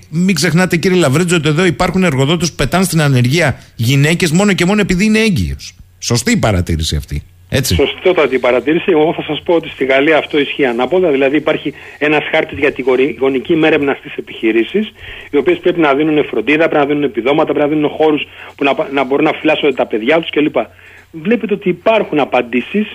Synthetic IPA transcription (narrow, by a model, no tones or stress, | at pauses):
miɡze̞xnɐt̪e̞ciɾielɐvɾet͡so̞t̪̬ie̞ðo̞ipɐɾxune̞ɾɣo̞ðo̞t̪espu̥pe̞t̪ɐnst̪inɐne̞ɾʝiɐʝine̞ce̞zmo̞no̞ce̞mo̞noe̞piðiine̞eɲɟḭo̞̰s | so̞st̪iːpɐɾɐt̪ḭɾisiɐ̰ft̪ḭ | e̞t͡sḭsosot̪ɐt̪ipɐɾɐt̪iɾisieɣoɣoθɐsɐspo̞ot̪ist̪iɣɐliɐːft̪o̞isçiɐnɐpo̞lɐðilɐðiːpɐɾçie̞nɐsxɐɾt̪izʝɐt̪iɣoɣo̞nicime̞ɾevnɐst̪ise̞piçiɾisisio̞pie̞spɾe̞pinɐðinune̞fɾo̞nd̪iðɐpɾeinɐðinune̞piðo̞mɐt̪ɐpɾinaðinune̞xo̞ɾuspunɐnɐbo̞ɾunːɐfilɐsod̪et̪ɐpe̞ðʝɐt̪u̥sce̞lipɐ | vle̞pet̪eo̞t̪iːpɐɾxunɐpɐnd̪isis